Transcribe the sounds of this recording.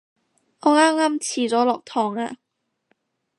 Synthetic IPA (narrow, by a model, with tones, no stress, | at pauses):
ŋɔː˨˧ŋaː˥mŋaː˥mt͡sʰiː˨˩t͡sɔː˨˥lɔː˨k̚t̪ʰɔː˨ŋa̰ː˧